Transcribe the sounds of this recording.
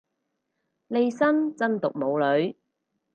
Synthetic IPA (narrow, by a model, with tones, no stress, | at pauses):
le˧jsɐ˥nt͡sɐ˥nt̪ʊ˨k̚mo˨˧wlɵ˨˧ɥ